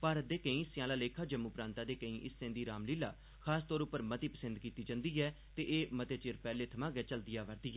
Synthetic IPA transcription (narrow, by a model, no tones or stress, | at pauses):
paːɾət̪̚d̪eːkəĩːɪsːɪjãːlaːleːkʰaːd͡ʒəmːuːpɾãːnt̪aːd̪eːkəĩːʔɪssẽːnd̪iːɾaːmliːlaː | kʰaːst̪ɔːɾʊpːəɾmət̪iːpəsə̃nd̪kiːt̪iːd͡ʒə̃nd̪iːɛː | t̪eːʔeːmət̪eːt͡ʃeːɾpɛːleːt̪ʰəmãːɡɛːt͡ʃəld̪ɪjaːʋəɾd̪iːɛ